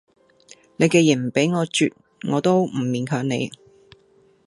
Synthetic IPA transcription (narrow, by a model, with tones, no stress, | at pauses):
ne˨˧jkɛː˧jɪ˨˩m̩˨˩pe˨˥jŋɔː˨˧t͡ʃy̰ː˨t̚ | ŋɔː˨˧t̪o˥wm̩˨˩miː˨˧nkʰœː˨˧ŋnḛ˨˧j